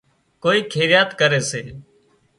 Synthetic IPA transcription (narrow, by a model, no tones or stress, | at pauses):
koːiːkʰeːɾɪjaːt̪kəɾeːseː